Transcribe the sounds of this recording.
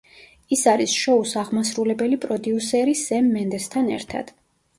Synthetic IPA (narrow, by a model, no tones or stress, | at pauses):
isaɾisʃɔusaʁmasɾulɛbɛlipʼɾɔd̪iusɛɾisɛmːɛnd̪ɛst̪ʰanɛ̰ɾt̪ʰa̰d̪̥